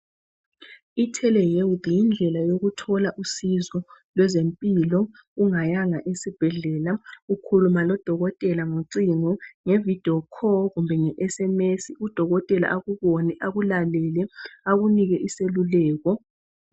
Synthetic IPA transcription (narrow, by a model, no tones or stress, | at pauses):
itʰɛlɛjewdjind͡ɮʱɛlajoɣutʰɔlaʔusizɔlwɛzempʼilɔ | uŋajaŋaʔesib̥ʱɛɮɛːlaukʰulumalɔd̥ʱɔɣɔtʼɛlaŋoǀiŋɔŋevid̥ʱiɔkʰɔɣumbʱɛŋɛʔɛsɛmesiud̥ʱɔɣɔtʼɛla̰ʔaɣuβɔnɛʔaɣulalɛlɛaɣuniɣɛʔiselulɛːɣɔ